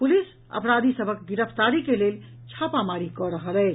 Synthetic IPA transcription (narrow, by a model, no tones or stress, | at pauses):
pulis | ə̰pɾad̪isəbʱəkɡiɾəpʰt̪aɾikelel | t͡ʃʰapamaɾikɔɾəɦəlɛ